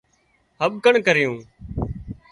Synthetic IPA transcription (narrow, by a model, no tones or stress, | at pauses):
ɦəɓkəɳkəɾjũː